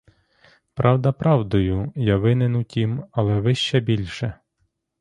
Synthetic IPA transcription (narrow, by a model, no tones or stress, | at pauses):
pɾʔɑwd̪ɐpɾɑwd̪ɔjʊjaʋɪnɪnutʲimɐlˠɛʋɪʃt͡ʃɛbʲilʲʃɛ